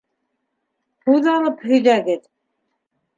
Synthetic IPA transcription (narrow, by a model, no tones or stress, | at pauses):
huðɑlˠɤphɵ̆jðæɡɘt̪